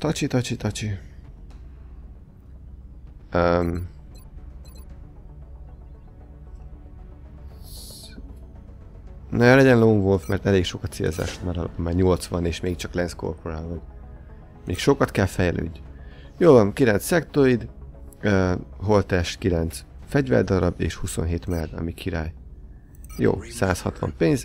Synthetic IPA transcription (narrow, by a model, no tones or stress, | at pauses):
t̪ɒt͡ʃit̪ɒt͡ʃit̪ɒt͡ʃi | øm | nɛlɛɟɛnloːnvolfmɛrt̪ɛleːkʃo̞kɒt̪sḛlza̰ːʃo̥t̪maːɾɒlɒ̰pomːaːrɲo̞lt̪sʋɒneːʃmeːk̚t͡ʃɒklɛnsko̰rpoɾaːlvɒn | meːkʃo̞kɒt̪kɛlfɛjlø̰ːɟː | joːvɒnkilɛnt̪sɛkt̪oid̪øːɦo̞lt̪ɛʃkilɛnt̪sfɛɟvɛ̰rd̪ɒɾɒbḛːʃhusonɦeːt̪mɛld̪ɒ̰mikʰiɾaːj | jo̰ːsaːshɒt̪ʋɒ̰mpeːnz